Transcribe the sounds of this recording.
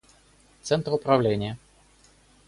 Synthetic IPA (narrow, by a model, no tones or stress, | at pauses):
t̪sɛnt̪ɾəʊpɾɐvlʲenʲɪjə